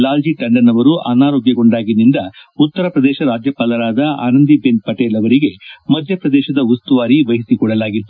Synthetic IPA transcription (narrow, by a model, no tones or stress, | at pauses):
laːld͡ʒiʈɐɳɖɐnɐʋɐɾuʔa̰ːnaːɾoːɡjɐɡo̞ɳɖaːɡinind̪ɐut̪ːɐɾɐpɾɐd̪ɛːʃɐɾaːd͡ʒjɐpɐːlɐɾaːd̪ɐa̰ːnɐnd̪ibenpɐʈeːlɐʋɐɾiɡe̞mɐd̪ʱjɐpɾɐd̪ɛːʃɐd̪ɐust̪uʋaːɾiʋɐɦisikɔɽɐlaːɡit̪ːu